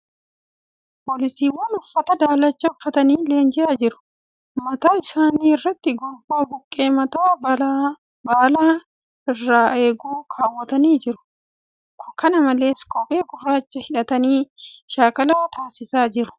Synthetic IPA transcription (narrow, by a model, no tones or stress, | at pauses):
poːlɪsiːwɐnʊfːɐt̪ɐd̪aːlɐt͡ʃːɐʊfːɐt̪ɐniːleːnd͡ʒɪaːd͡ʒɪɾʊ̥ | mɐt̪aːɪsaːniːɪrːɐt̪ːɪɡʊlboːɡʊkʼːe̞ːmɐt̪aː | baːlaː | ɪrːaːʔe̞ːɡuːkʰaːwːɐt̪ɐniːd͡ʒɪɾʊ̥ | kʰɔ̥kɐnɐmɐle̞ːskʼɔːpʼe̞ːɡʊrːaːt͡ʃːɐhɪᶑɐt̪ɐniːʃaːkɐlaːt̪aːsɪsaːd͡ʒɪɾʊ̥